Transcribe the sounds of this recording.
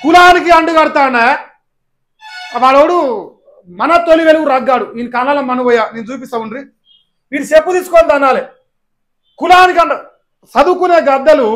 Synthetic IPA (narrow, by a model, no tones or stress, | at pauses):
kulaːnik̬iɐɳɖuɡɐɽut̪aːɳe | ʋaːɭoːɽu | mɐnɐt̪oliʋeluɡuɾaːɡːaːɽuiːnikaːlaːlɐmɐnɐʋɔjaːnent͡ʃuːp̬ist̪ɐːmunɾi | ʋiːnisepːud̪isukond̪ɐnːaːle | kulaːnikiɐɳɖɐ | sɐd̪ukuneːɡɐd̪ːɐlu